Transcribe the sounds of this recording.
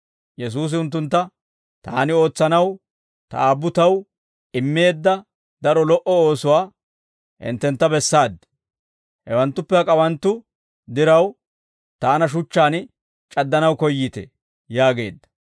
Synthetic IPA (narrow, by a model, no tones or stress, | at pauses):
jɛs̬uːs̬ɪʊnt̪̬ːʊnt̪ːɐ | t̪aːnɪo̞ːt͡sːɐnɐw | t̪ɐ̰aːbːʊt̪ɐw | ɪmːe̞ːd̪ːɐ | d̪ɐɾɔlɔʔɔo̞ːsʊwaː | ʔɪ̰nt̪ːɛnt̪ːɐbɛsːaːd̪ːɪ̥ | hɛwɐnt̪ːʊpːɛhɐkʼɐwɐnt̪ːʊ | d̪ɪɾɐw | t̪aːnɐʃ̬ʊt͡ʃːaːn | t͡ʃʼɐd̪ːɐnɐwkɔjːiːt̪ɛ̰ | jaːɡe̞ːd̪ːɐ̥